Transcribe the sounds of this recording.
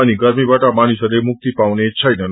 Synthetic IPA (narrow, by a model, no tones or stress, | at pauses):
aniɡəɾmibaʈamanisəɾemʊk̚t̪ipaʋnet͡ʃʰəjnən